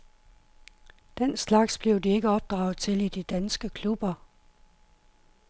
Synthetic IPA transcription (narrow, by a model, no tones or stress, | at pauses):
d̥en̰slɑ̈ɡ̥sb̥le̝ʊdie̝ɡ̥əɒ̽b̥̚d̥ʁɑ̈ʊð̩ˠt͡sʰe̝lid̥id̥ænsɡ̥əkʰlub̥ɐ